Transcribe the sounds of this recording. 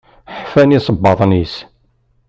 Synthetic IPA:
ħfænisˤəbːɑðˤnis

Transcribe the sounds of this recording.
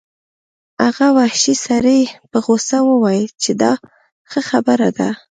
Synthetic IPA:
aɣawahʃisaɾəjpəɣosawəwɑjət͡ʃed̪ɑ | xəxabəɾad̪a

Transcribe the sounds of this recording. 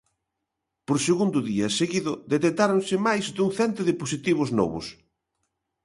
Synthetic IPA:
poɾseɣund̪ʊðiɐseɣiðʊd̪et̪et̪aɾonsɪmajzðuŋθɛnt̪ʊðɪposit̪iβʊznɔ̰βʊ̰s

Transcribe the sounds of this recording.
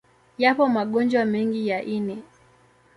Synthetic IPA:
japɔmaɠɔnd͡ʒwamɛŋɡijaʔinɛ

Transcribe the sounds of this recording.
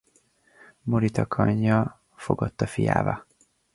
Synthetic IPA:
moɾit̪ɒkʰɒɲːɒ | fo̞ɡɒt̪ːɒfija̰ːbɒ

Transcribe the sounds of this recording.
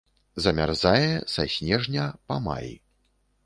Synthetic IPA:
zɐmʲa̰rzajɛsasʲnʲɛʐnʲɐpɐma̰j

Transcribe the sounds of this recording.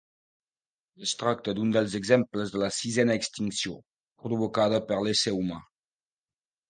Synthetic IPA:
əst̪ɾak̚t̪əd̪und̪əlˠzəɡzɛmpləzðələsizɛnəːkst̪iŋksio | pɾɾuβukað̞əpəɾleseuma̰

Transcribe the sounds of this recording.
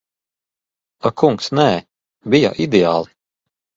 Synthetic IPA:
akʰuŋksnɛː | bija̰ʔid̪ea̰ːlˠi̥

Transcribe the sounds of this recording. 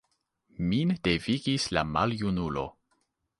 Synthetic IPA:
mind̥eviɡislamaljunulo̞̰

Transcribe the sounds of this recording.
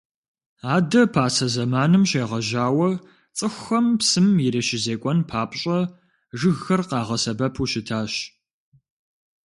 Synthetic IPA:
aːdɐpʰaːsɐzɐmaːnɨmɕeːʁɐʒaːwɐ | t͡sʼɨxʷːɐmpsɨmjiɾeʃɪzeːkʷʼɔnpʰaːpʼɕʼɐ | ʐɨɣːɐrqɑːʁɐsɐbɐpʰuːʃɪtʰaːɕ

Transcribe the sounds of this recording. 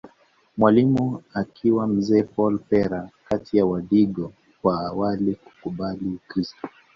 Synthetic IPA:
mwalimuakʰiwam̩zɛːpɔlpɛɾakatijawaɗiɠɔ | kwaːwaliku̥kuɓalikɾistɔ

